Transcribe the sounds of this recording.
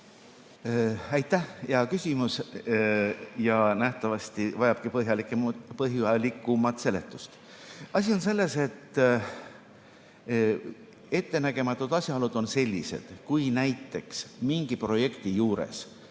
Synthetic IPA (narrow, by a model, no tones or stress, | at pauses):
æjt̪ːˑæhjɑkysʲimus | jɑnæht̪ɑvɑsʲt̪ivɑjɑb̥kipɤɦjɑlikːepɤɦjuɑlikːˑumɑt̪se̞le̞̰t̪ːˑust̪ | ɑsʲio̞ns̬e̞lːe̞se̞t̪ːˑ | e̞t̪ːe̞næɡ̥e̞mɑt̪ːˑud̪̥ɑsʲjɑolud̪̥o̞nse̞lʲːḭse̞̰d̪̥kujnæjt̪ːe̞ksmiŋɡ̥ipro̞je̞kt̪ijuːɾḛs